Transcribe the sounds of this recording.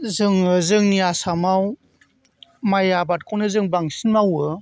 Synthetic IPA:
zɯŋɯzɯŋniasamaw | majabat̚kʰɔwnɯzɯŋbaŋsinmawɯ

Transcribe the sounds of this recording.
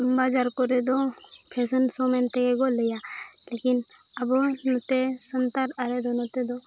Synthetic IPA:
mbad͡ʒaɾkɔɾed̪ɔ | kʰesənsɔmɛnt̪ekeɡɔleja | lekin | abɔnɔt̪esənt̪aɾaɾed̪ɔnɔt̪ed̪ɔ

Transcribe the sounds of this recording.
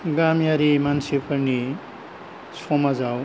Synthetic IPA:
ɡamjaɾimansʰepʌrni | sʰomad͡zaw

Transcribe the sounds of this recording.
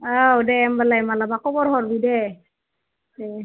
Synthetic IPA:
əwdɛːmbalajmalabakɔbɔɾɦɔɾbidɛ | dɛ

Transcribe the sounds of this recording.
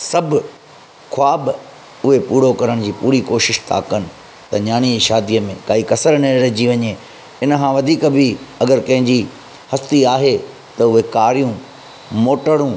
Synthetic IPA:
sɐbʱʊ | kʰʊaːb | ʊɦepuːɽokɐɾəɽ̃d͡ʑiːpuːɾikoːʃɪʃt̪ʰa̰ːkənɪ̆ | t̪ɐɲaːɽ̃id͡ʑiʃaːd̪ijəmẽkaːikɐsəɾnɐ̃ɾɐɦd͡ʑiʋɐɲe | ɪnəkʰãʋɐd̪ʱiːkbɪɐɡəɾkɐ̃ɦɪ̃ɲd͡ʑi | hɐst̪iaːɦe | t̪ɐʊɦekaːɾijũ | moːʈəɽũ

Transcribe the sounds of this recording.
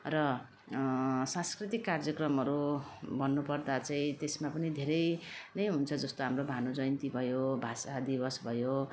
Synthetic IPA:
rʌ | sãnskrit̪ikːard͡zjʌkrʌmɦʌɾubʌnːupʌrd̪at͡saĩt̪esmapʌnid̪ʱeɾʌjnʌjɦunt͡sʰʌd͡zʌst̪oɦamrobʱanod͡zʌjnt̪ibʱʌjobʱasad̪ibʌsbʱʌjo

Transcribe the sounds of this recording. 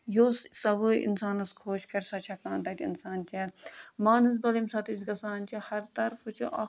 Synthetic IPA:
joːssɐboːjʔḭnsaːnɐskʰoːʃkɐɾʲsɐt͡ʃʰɐkaːnt̪ɐt̪ʲḭnsaːnt͡ʃemaːnɨs̬bɐlimsɐt̪isɡɐsaːnt͡ʃʰihɐɾt̪ɐɾfʰut͡ʃʰuʔɐ

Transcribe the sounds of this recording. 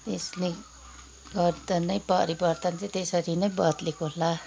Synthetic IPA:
t̪esni | ɡʌɾd̪ʌnʌjpʌɾibʌrt̪ʌnt̪et̪esʌɾinʌjbʌt̪lekola

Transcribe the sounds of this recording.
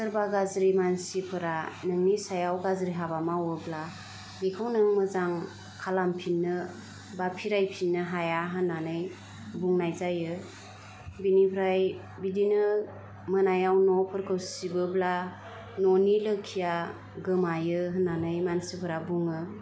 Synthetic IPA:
sɯɾbaɡazɾimansipʰɯɾanɯŋnisajawɡazɾiɦabamawɯbla | dikʰɯwnɯŋmɯzaŋ | kʰalampʰinːɯ | bapʰiɾajpʰinːɯɦajaɦɯnːanɯj | buŋnajzajɯ | binipʰɾaj | bidinɯ | mɯnajawnɔpʰɯɾkʰɯwsibɯbla | nɔnilɯkʰija | ɡɯmajɯɦɯnːanɯjmansipʰɯɾabuŋɯ

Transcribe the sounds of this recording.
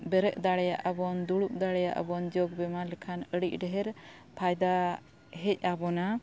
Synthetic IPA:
bɛɾəʔd̪aɽɛjaʔabɔnd̪uɽuʔ̚d̪aɽɛjaʔa̰bɔnd͡ʒɔɡ̚bɛmalɛkʰanəɽic̚ˀɖɛɦɛɾ | pʰajd̪a | ɦɛc̚ˀabɔna

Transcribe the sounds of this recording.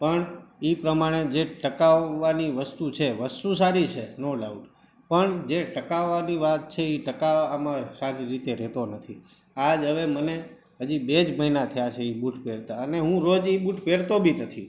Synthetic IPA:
pəɳipɾəmaɽ̃ed͡ʒeʈəkaʋːaniʋəst̪ut͡ʃʰeʋəst̪usaɾit͡ʃʰenolauɖ | pəɳd͡ʒeʈəkaʋːaniʋat̪̚t͡ʃʰeiʈəkaamãsaɾiɾit̪eɾɛt̪onət̪ʰiad͡ʒɦəʋeməne | ɦəd͡ʒibed͡ʒməɦinat̪ʰəjat͡ʃʰeibuʈpeɽt̪aəneɦũɾod͡ʒibuʈpeɽt̪obʱinət̪ʰi

